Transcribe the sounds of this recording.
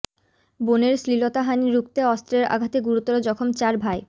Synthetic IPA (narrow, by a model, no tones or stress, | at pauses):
boneɾslilot̪aɦaniɾuk̚t̪eɔst̪ɾeɾa̰ɡʱat̪eɡuɾut̪ɔɾod͡ʑɔkʰomt͡ɕaɾbʱae